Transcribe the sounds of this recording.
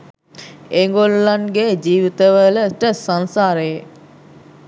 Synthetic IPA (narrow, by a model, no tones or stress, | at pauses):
eŋɡolulanɡed͡ʒiːʋit̪əʋələʈəsansaːɾəje